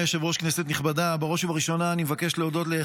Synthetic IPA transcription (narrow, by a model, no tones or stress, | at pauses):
eʃevo̞ʃknesetniχbadabaʁo̞ʃuvaʁiʃo̞naːnimvake̞ʃleodo̞tle